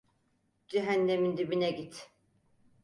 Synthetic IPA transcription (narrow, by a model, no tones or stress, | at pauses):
d͡ʒiɦænːemind̪ibinɛɟit̪